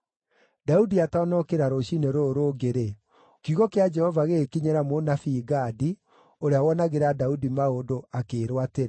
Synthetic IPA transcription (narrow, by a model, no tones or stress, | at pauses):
daudiatanɔkeɾaɾoɕineɾoɾoɡeɾe | kiuɣɔkead͡ʒɛhɔvaɣeːkiɲeɾamonafiːɡadi | oɾeawɔnaɣeɾadaudimaodoakeːɾwateɾe